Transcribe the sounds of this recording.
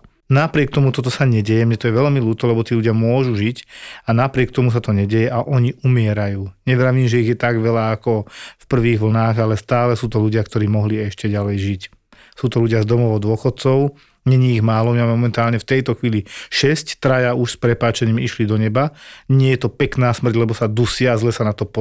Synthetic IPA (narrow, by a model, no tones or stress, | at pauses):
napɾɪɛk̚t̪ɔmut̪ɔt̪ɔsaɲɛɟɛjɛmɲɛt̪ɔjɛʋɛʎmiluːt̪ɔlɛbɔt̪iːluɟɪamʊɔʒuʒicanapɾɪɛkt̪ɔmus̬at̪ɔɲɛɟɛjɛʔaʔɔɲiʔumɪɛɾajuːɲɛʋɾaʋiːmʒɛiɣjɛt̪aɡʋɛlaːkɔfpr̩ʋiːɣʋl̩naːɣalɛst̪aːlɛsuːt̪ɔluɟɪakt̪ɔɾiːmɔɦliɛʃcɛɟalɛjʒic | suːt̪ɔluɟɪazd̪ɔmɔʋd̪ʊɔxɔt̪̚t͡sɔʊ | ɲɛɲiiɣmaːlɔmimaːmɛmɔmɛnt̪aːlɲɛft̪ɛjt̪ɔxʋiːliʃɛsct̪ɾajauʃspɾɛpaːt͡ʃɛɲiːmiʃlid̪ɔɲɛbaɲɪɛjɛt̪ɔpɛknaːsmr̩ɟlɛbɔsad̪usɪazlɛsanat̪ɔpɔ